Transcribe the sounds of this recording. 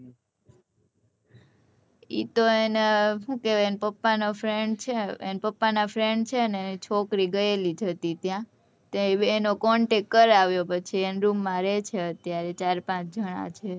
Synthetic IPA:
ḭt̪oeneɦũkeʋenpəpːanofɾeɳɖt͡ʃʰeḛnpəpːanafɾeɳɖt͡ʃʰeəneenit͡ʃʰokɾiɡəelid͡ʒʱət̪it̪jã | t̪eenokɔɳʈekːəɾaʋjopət͡ʃʰienɾumːãɾet͡ʃʰeət̪jaɾet͡ʃaɾpãt͡ʃd͡ʒəɽ̃a̰t͡ʃʰe

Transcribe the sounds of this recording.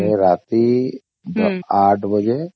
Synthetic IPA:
eɾaːt̪i | d̪aːʈʰbəd͡ʒe

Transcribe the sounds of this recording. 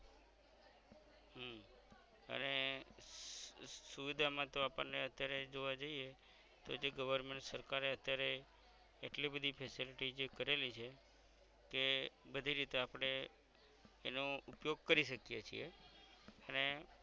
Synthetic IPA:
ɦm | ə̰ne | suʋid̪ʱamãt̪oapə̰nːeət̪jaɾed͡ʒoʋad͡ʒəie | t̪o̰d͡ʒeɡəʋəɾmeɳʈsəɾkaɾeət̪jaɾe | eʈlibəd̪ʱipʰɛsiliʈid͡ʒekəɾelit͡ʃʰe | kebəd̪ʱiɾit̪eapɽ̃eː | noupjoɡ̚kəɾiʃəkjet͡ʃʰḭe | əne

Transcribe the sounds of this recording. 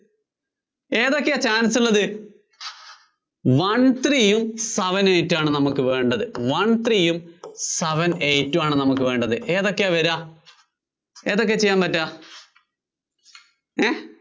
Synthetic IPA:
e̞ːðo̞kːejaːt͡ɕaːnɐsuɭːɐðɨ | ʋɐɳt̪rijumsɐʋɐnejtːaːɳɨnɐmukːɨʋe̞ːɳɖɐðɨʋɐɳt̪rijumsɐʋɐnejtːumaːɳɨnɐmukːɨʋe̞ːɳɖɐðɨʔe̞ːðo̞kːeaʋɐɾaː | e̞ːðok̬ːe̞t͡ɕe̞jːaːnpɐtːaː | e

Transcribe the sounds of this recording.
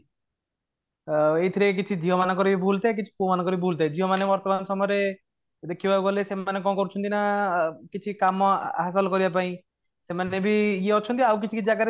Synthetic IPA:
ejt̪ʰiɾekek̬it͡ʃʰid͡ʒiɦɔmanakɔɾibibʱult̪ak̬it͡ʃʰi̥pumanɔkɔɾibibʱult̪aed͡ʒʱiɦɔmanebɔɾt̪ɔmansɔmɔɾe | d̪ekʰibabuɡɔlesemanekɔ̃kɔɾut͡ʃʰɔnt̪inakit͡ʃʰikamɔɦas̬ɔlkɔɾibapaĩ | semanebʱijeɔt͡ʃʰɔnt̪iawk̬it͡ʃʰikiid͡ʒaɡaɾ

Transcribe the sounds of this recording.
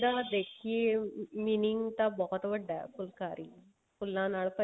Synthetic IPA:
d̪aːd̪eːkʰieːmiːnɪŋɡt̪ãːbɔːt̪ʋəɖːaːɛ̰kʊlkaːɾiː | kʊlːãːnaːlpə

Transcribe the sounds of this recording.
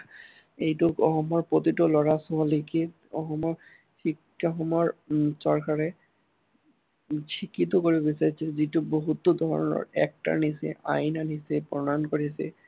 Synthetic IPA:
ejtʊkɔxɔmɔɹpɹot̪itɔlɔɹasɔɦɔlike | ɔ̰xɔmɔɹ | kʰik | ɔxɔmɔɹsɔɹkaɹɛ | t͡ʃʰikit̪̬ɔkoɹibɔbisaɹisʰɛzitʊboɦut̪ːɔd̪ʱɔɹɔ̰nɔ̰ɹɛ̰k̚ta̰ɹnisɛ̰ʔa̰jnanisɛpɹɔnankoɹis̬ɛ̰

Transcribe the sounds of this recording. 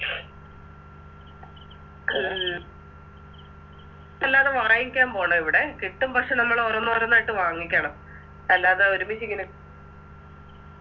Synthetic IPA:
elːaːðeʋɐrɐjikʲːaːmpo̞ːɳɐmiʋiɽe̞kiʈːumpɐkʂenɐmːɐɭorɐnːoːɾɐnːaːjiʈːɨʋaːŋːikʲːɐɳɐm | elːaːðeoɾumiɕikʲːinɨ

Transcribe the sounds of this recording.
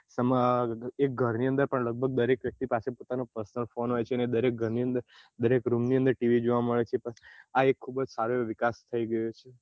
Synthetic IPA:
səmek̚ɡʱəɾniə̃nd̪əɾpəɳləɡ̚bʱəɡ̚d̪əɾekʋjək̚t̪ipasepot̪anopəɾsnəlfonɦojt͡ʃʰeəned̪əɾek̚ɡʱəɾniənd̪əɾ | d̪əɾekɾumniə̃nd̪əɾʈiʋid͡ʒoʋaməɭet͡ʃʰepəaekʰːubəd͡ʒsaɾoʋɪkast̪ʰəiɡəjot͡ʃʰe

